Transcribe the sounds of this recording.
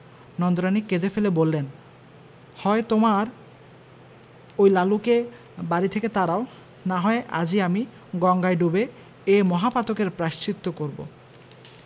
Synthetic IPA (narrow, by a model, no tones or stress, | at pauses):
nɔnd̪oɾaniked̪efelebolːen | hɔet̪omaɾ | ojlaluke | baɾit̪ʰeket̪aɾao | naɦɔeʔa̰d͡ʑiami | ɡɔŋɡajɖube | emɔɦapat̪okeɾpɾaʃt͡ɕit̪ːokoɾbo̰